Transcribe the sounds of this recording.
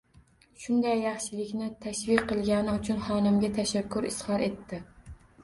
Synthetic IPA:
ʃʊnd̪ajːɑχʃɪlˠɪkʲnɪt̪ʰaʃvɪkʲqʰːɨlˠɡʲanɪʊt͡ʃʰʊnχɒnɪmɡʲat̪ʰaʃakʲʰːʊɾɪshɑɾe̞t̪ʰːɪ

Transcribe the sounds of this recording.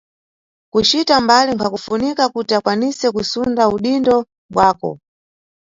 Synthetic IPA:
kut͡ʃitambaliŋkʰakufunikakutiakwanisɛkusundauɗindɔ | ɓwaːkɔ̰

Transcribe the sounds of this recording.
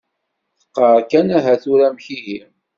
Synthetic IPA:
θə̥qːəɾkænæɦæθuɾæmçiɦim

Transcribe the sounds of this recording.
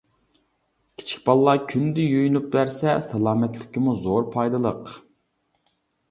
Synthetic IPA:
kʲʰi̥t͡ʃʰi̥k̚ʲbɑlˠːɑkʲʰynd̪ɪjojnup̚bæɾsɛsɑlˠɑːmɛt̪lɪkʲːimuzoɾpʰɑjd̪ɨlˠəq

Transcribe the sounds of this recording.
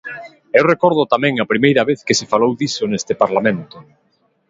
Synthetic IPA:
ewrekɔɾð̞ʊt̪amɛ̃ŋɐpɾimejɾɐβeθkɪsefalowðisʊnest̪ɪpaɾlamẽnt̪ʊ

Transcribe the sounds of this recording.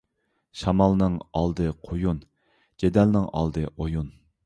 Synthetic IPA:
ʃɑmɑlˠnɨŋɑlˠd̪ɨqʰojun | ɡ̥ʲed̪ɛlnɪŋɑ̰lˠd̪ɨʔojun

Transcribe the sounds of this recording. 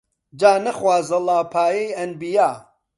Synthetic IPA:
d͡ʒaːnɐxwaːzɐlaːpʰaːjejɐnbijaː

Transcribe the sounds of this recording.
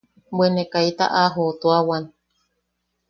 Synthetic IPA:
bwenekajt̪a̰ʔaɦot̪oawan

